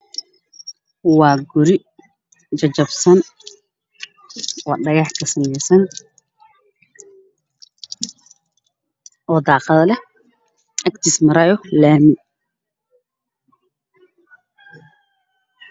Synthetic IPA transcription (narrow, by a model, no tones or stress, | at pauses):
wɑːɡʊɾɪ | t͡ʃɐt͡ʃɐbsɐn | wɑːɖɐɣɑħkʰɐsɐmɛjsɐn | ʔɔːd̪ɑːqɑðɐlɛ | ʔɐkt̪ʰiːsmɐɾɐjɔlaːmɪn